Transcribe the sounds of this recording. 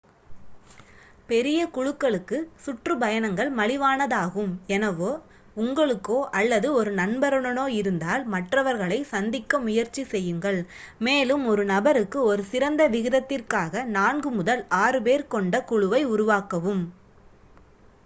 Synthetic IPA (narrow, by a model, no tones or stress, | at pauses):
pɛɾɪjɐkʊɻʊkːɐɭɯkːɯsʊʈrɯbɐjɐnɐŋɡɐɭmɐɭɪʋaːnɐðaːɣɯmɛnɐʋoː | ʊŋɡɐɭɯkːoːʔɐlːɐðɯɔɾɯnɐnbɐɾɐɳɐnoːɪɾɯnd̪aːlmɐʈrɐʋɐɾɣɐɭɐɪsɐnd̪ɪkːɐmʊjɐɾt͡ʃisɛjːɯŋɡɐɭ | meːlɯmɔɾɯnɐbɐɾɯkːɯɔɾɯsɪɾɐnd̪ɐʋɪɣɪðɐt̪ːɪrkaːɣɐnaːnɡɯmʊðɐlʔaːɾɯpeːɾkɔɳɖɐkʊɻʊʋɐɪʊɾʊʋaːkɐʋɯm